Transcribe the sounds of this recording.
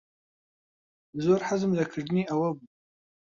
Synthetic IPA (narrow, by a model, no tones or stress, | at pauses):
zorħazɨmzakʰɨʐniʔawɐbu